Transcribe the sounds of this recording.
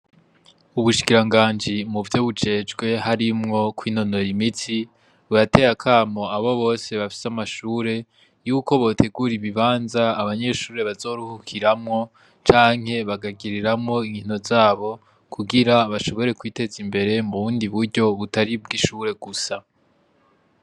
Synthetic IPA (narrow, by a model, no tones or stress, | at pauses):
uβuʃi̥kiɾaŋɡaːnd͡ʒimuvjo̞βud͡ʒe̞ːd͡ʒɡwe̞ɦaɾimŋo̞kwiːno̞no̞ɾimiti | βuɾate̞ɾakʰaːmo̞aβo̞βo̞ːse̞βafi̥samaʃuːɾe̞ | juːko̞βo̞ːtʰe̞ɡuɾiβiβaːnzaːβaɲe̞ʃuːɾe̞βazo̞ːɾuhukʰiɾamŋo̞ | t͡ʃaːŋ̥he̞βaɡaɡiɾiɾamŋo̞iŋino̞zaːβo̞ | kʰuɡiɾaβaʃo̞βo̞ɾe̞kwiːte̞zimbe̞ɾe̞muβuːndiβuɾɟo̞βutaɾib̚ɡiʃuːɾe̞ɡusa